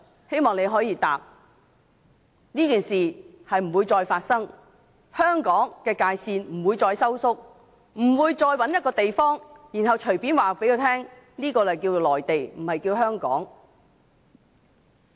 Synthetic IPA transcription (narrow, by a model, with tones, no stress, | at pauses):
he˥jmɔː˨ŋne˨˧jɦɔː˨˥jiː˧t̪aː˨p̚ | niː˥kiː˨nsiː˨˩hɐ˨jm̩˨˩wuː˨˧jt͡sɔː˧jfaː˧t̚sɐ˥ŋ | hœː˥ŋkɔː˨˥ŋkɛː˧kaː˧jsiː˧nm̩˨˩wuː˨˧jt͡sɔː˧jsɐ˥wsʊ˥k̚ | m̩˨˩wuː˨˧jt͡sɔː˧jwɐ˨˥njɐ˥t̚kɔː˧t̪e˨jfɔː˥ŋjiː˨˩nɦɐ˨wt͡ʃʰɵ˨˩ɥpiː˨˥nwaː˨pe˨˥ko˨˧wt̪ʰɛː˥ŋ | niː˥kɔː˧ljkiː˧wo˨wlɔː˨jt̪e˨jm̩˨˩hɐ˨jkiː˧wɦœː˥ŋkɔ̰ː˨˥ŋ